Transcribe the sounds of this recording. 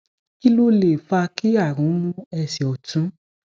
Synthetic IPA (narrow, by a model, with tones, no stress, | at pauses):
i˦lu˦le˨fa˧ki˦a˦˨ɾũ˨˦mũ˦ɛ˧˨si˨ɔ˨tũ˨˦